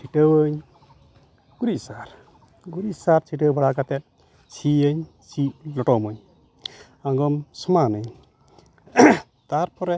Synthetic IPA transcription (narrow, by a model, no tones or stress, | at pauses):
sʰiʈəwəɲ | ɡ̥uɾisaɾ | ɡuɾisaɾt͡ʃiʈəbaɽaɡat̪ɛt̚ | siəɲ | silɔʈɔmɯɲ | aŋɡɔmsɔmanɯɲ | t̪aɾpɔɾɛ